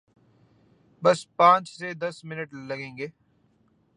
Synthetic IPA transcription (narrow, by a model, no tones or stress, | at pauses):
bɐspãːt͡ʃsed̪ɐsmɪnəʈlɐɡẽːŋɡeː